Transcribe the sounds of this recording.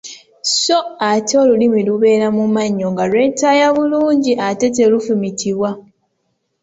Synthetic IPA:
so̞ato̞ːlulimiluβe̞ːɾamumaɲːo̞ŋɡalwe̞ːtajaβuluːɲɟiʔate̞telufumitʰiβwa

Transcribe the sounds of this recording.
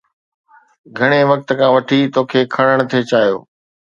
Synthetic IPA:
ɡʱɐɽ̃eʋɐk̚t̪̆kʰãːʋɐʈʰit̪oːkʰeːkʰɐɽəɽ̃t̪ʰet͡ɕaːjo̰ː

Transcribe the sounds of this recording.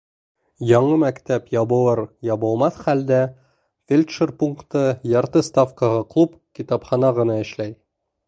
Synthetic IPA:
jɒɴɤmækt̪æpjɒbɤ̆w̪ˠɤɾjɑbɤ̆lˠmɑθχæld̪æ | fʲelʲt̪ʃerpuŋkt̪ɤjɒɾt̪ɤst̪afkəʁɤqlˠupkʲit̪ɑpχɑnɑʁɤ̆nɑɘ̆ʃlæj

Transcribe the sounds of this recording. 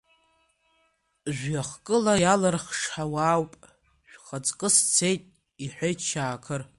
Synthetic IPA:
ʒʷᶣaχkʼɨlajalɨrχʂħawaːwpʼ | ʃʷᶣχat͡sʼkʼɨst͡sʰe̞jtʼ | iħʷejt͡ʃʰaːkʰɨr

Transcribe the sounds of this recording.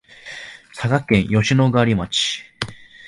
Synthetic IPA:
saɡakẽ̞ɰ̃jo̞ɕino̞ɡɯaɾʲimat͡ɕi̥

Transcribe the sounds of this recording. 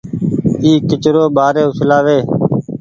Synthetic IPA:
iːkɪt͡ʃɾoːɓaːɾeːʊslaːʋeː

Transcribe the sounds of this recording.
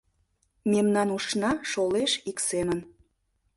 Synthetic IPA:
memnɑnuʃnɑʃoleʃiksemən

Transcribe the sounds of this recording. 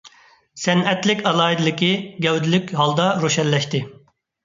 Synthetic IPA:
sɛnɛt̪lɪkʲɑlˠɑːid̪ɪlɪkʲiɡʲɛwd̪ɪlɪkʲɦɑlˠd̪ɑɾoʃɛnlɛʃt̪ɪ

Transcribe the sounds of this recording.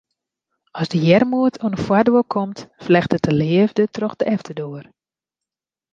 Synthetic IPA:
ɔsdəjɛrmuətʰonəfwadʋokʰɔmtflɛxtətəlɪəvdətrɔxdəʔɛftʰədoər

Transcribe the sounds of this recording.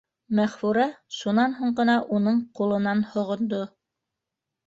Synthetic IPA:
mæχfuɾæʃunɑnɦuɴɢɤ̆nɑʔunɤɴqulˠɤ̆nɑnhŏʁŏnd̪o

